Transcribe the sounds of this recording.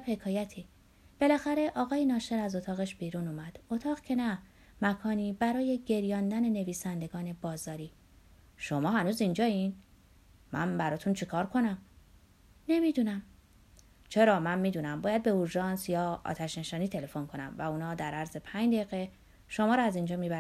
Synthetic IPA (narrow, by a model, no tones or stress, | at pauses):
bhe̞kʰɒːjæt̪ʰi | b̥e̞læxæɾe̞ʔɒːɣɒːjenɒːʃe̞ɾæzo̞t̪ʰɒːɣeʃb̥iːɾunuːmæd̪̥o̞t̪ʰɒːɣcʰe̞næ | mækʰɒːniːbæɾɒːje̞ɟe̞ɾjɒːnd̪æne̞ne̞viːsænd̪eɡɒːne̞bɒːzɒːɾiː | ʃo̞mɒːɦænuːzind͡ʒɒːin | mʔæ̰nbæɾɒːt̪ʰunt͡ʃʰekʰɒːɾkʰo̞næm | ne̞mid̪unæm | t͡ʃʰe̞ɾɒːmænmiːd̪uːnæmbɒːjæd̪̚be̞oɾʒɒːnsjɒ̰ːt̪ʰæʃne̞ʃɒːniːt̪ʰe̞le̞fo̞nkʰo̞næ̰mvæuːnɒːd̪æɾæɾze̞pʰæɲd͡ʒd̪eiɣe | ʃo̞mɒːɾɒæzind͡ʒɒːmibæ